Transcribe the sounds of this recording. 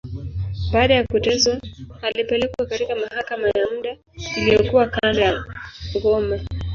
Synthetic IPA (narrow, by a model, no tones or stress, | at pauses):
ɓaːɗajakutɛzwaalipɛlɛkwakatikamahakamajamuɗa | ilijɔkuwakandajaŋɡɔma